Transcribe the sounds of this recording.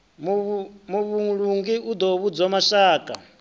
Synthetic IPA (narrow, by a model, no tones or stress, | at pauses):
mumuβuɺuŋɡiʔud̪ɔβud͡zɔmaʃaːkʼa